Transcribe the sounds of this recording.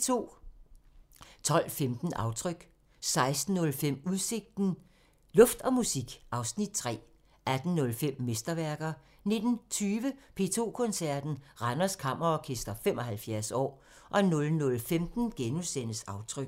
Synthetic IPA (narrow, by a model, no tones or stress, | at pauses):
t͡sʰo̝̰ː | t͡sʰɒ̽l̰femd̥n̩ʔɑ̈ʊt͡sʰʁœɡ̥ | sɑ̈ɪsd̥n̩ːɔ̽lfem̰uðˠse̝ɡ̥̚d̥n̩ | lɔ̽fd̥ɒ̽musiɡ̥ʔɑ̈ʊsnid̥̚t͡sʰʁɛ̰ː | ʔæd̥n̩nɔ̽lfem̰ːesd̥ɐʋæɐɡ̥ɐ | ne̝d̥n̩t͡sʰyːʋəpʰe̝̰ːt͡sʰo̝̰ːkʰɔ̽nsæɐd̥n̩ʁɑnɐskʰɑ̈m̰ʔɐɒkʰesd̥ɐfem̰ʔɒ̽ɦælfjæɐsɒ̰ː | ʔɒ̽nɔ̽lnɔ̽lfemd̥n̩ɡ̥enusen̰əsɑ̈ʊt͡sʰʁœɡ̥